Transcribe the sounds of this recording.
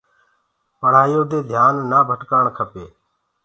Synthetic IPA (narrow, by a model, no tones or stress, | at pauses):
pəɽ̤aːjoːd̪eːd̪ʱjaːnːaːbʱəʈkaːɳkʰəpeː